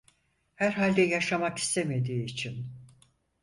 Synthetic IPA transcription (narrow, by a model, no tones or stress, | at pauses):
hæɾɦalʲd̪ɛjaʃamaki̥st̪ʰeme̞d̪iːt͡ʃʰin